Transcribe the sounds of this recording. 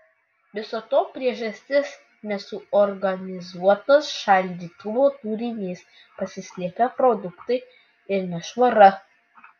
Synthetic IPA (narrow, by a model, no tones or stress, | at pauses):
ʋʲɪsot̪oːpʲɾʲiɛʒɐsʲt̪ʲɪs | nʲɛsʊɔɾɡɐnʲɪzuɔt̪ɐsʃɐlʲd̪ʲiːt̪ʊʋoːt̪uːɾʲɪnʲeːs | pɐsʲɪsʲlʲiɛkɐpɾod̪ʊkt̪ɐɪ | ɪɾnʲɛʃʋɐɾɐ